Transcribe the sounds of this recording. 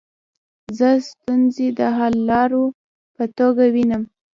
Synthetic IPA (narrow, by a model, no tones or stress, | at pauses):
zəst̪unzed̪əɦalːɑɾo | pət̪oɡawinəm